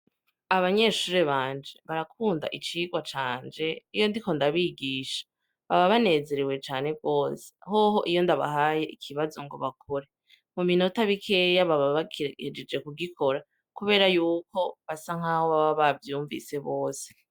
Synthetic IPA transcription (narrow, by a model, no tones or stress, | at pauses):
aβaɲe̞ʃuːɾeβaːnd͡ʒe̞βaɾakʰuːnda̰ʔit͡ʃiːɡwat͡ʃaːnd͡ʒe̞ijo̞ndiko̞ndaβiɡiːʃḁ | βaβaβane̞ːze̞ɾewe̞t͡ʃaːne̞b̚ɡo̞ːse̥hoːɦo̞ʔijo̞ndaβa̰ɦaje̞ʔikʰiβazo̞ŋɡo̞̰βakʰoɾe̞ | mumino̞taβikʰe̞jaβaβaβakied͡ʒed͡ʒe̞kuɡikʰo̞ɾa | kuβe̞ːɾajuːko̞βasaŋ̥hahoβaβaβavjuːɱvḭse̞βoːse̥